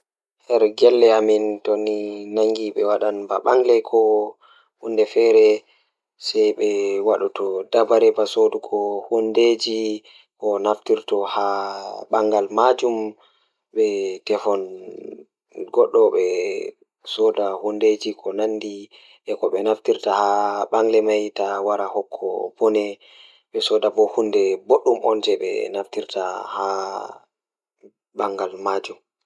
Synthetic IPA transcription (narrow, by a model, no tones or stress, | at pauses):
hɛɾɡɛlːɛamintoninaŋɡiɓɛwaɗanbaɓaŋɡlɛkʰɔ | hundɛfɛɾɛ | sajɓɛwaɗutʰɔdabaɾɛbasodukʰɔhunded͡ʒi | kɔnaftiɾtɔhaɓaŋɡalmad͡ʒum | ɓɛtɛfɔn | ɡɔɗːɔɓɛ | sɔdahunded͡ʒikʰɔnanːdi | ʔɛkɔɓɛnaftiɾtahaɓaŋɡlɛmajtawaɾahɔkʰːɔ̰bɔnɛ | ɓɛsɔdabɔhundɛboɗːumʔɔ̰nd͡ʒɛɓɛ̰naftiɾtaha | baŋɡalmad͡ʒum